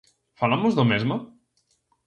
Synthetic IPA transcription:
falamozðomɛzma

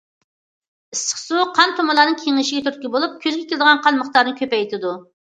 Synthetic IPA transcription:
ɨsqsuqʰɑnt̪ʰomɨlˠɑːnɨŋkʲʰeŋɪʃɪɡʲɛt̪ʰyɾt̪̚kʲibolˠup̚kʲʰøzɡʲɛkʲeld̪əʁɑnqʰɑnməχt̪ɑɾnɨkʲʰøpɛjt̪ʰɪd̪u

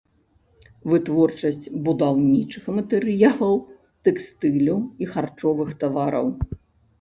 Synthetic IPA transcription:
vɨt̪vɔrt͡ʂɐsʲt͡sʲbud̪awnʲit͡ʂɨxmɐt̪ɛɾɨjalˠɐw | t̪ɛkst̪ɨlʲɐwixart͡ʂɔvɨxt̪avaɾɐ̰w

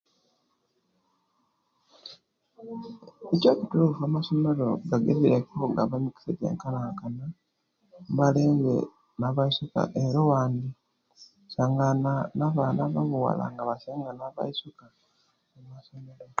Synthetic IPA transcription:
eco̞ːkutuɾufamaso̞meɾo̞ɡaɡeβiɾekoŋɡaβamiki̥seɟḛːŋkalakana | mβaleːŋɡḛ | naβaisuka̰ʔeɾowaːndi | saŋɡananaβanaβaβuwa̰la̰ŋɡaβaseːŋɡanaβa̰isuka | emmasomeɾo

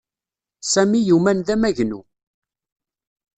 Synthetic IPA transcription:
sæmijumænðæmæʝnṵ

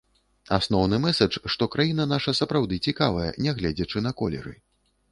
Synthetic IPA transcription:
asnɔwnɨmɛsɐt͡ʂʂt̪ɔkɾajin̪ɐn̪aʂɐsɐpɾawd̪ɨt͡sʲikavɐjɐ̰nʲɛɣlʲɛd͡zʲɐt͡ʂɨn̪ɐkɔlʲɛ̰ɾɨ̰

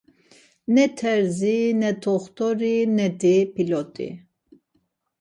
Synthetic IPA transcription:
nɛt̪ʰɛɾzinɛt̪ʰɔχt̪ʰɔɾinɛd̪ipʰilɔt̪ʼḭ

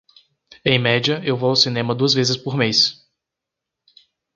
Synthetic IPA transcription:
ẽj̃mɛd͡ʒiɐewvoawsinẽmɐd̪uɐzvezɪspoɾmejs

